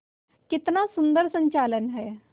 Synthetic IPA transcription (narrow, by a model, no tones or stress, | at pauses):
kit̪nasund̪əɾsəɲt͡ɕalənɦe